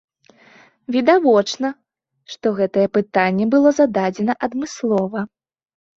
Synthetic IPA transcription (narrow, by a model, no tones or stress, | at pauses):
vʲid̪avɔt͡ʂnɐ | ʂt̪ɔɣɛt̪ɐjɛpɨt̪anʲːɛbɨlˠɔzɐd̪ad͡zʲɛnɐʔɐd̪mɨslˠɔvɐ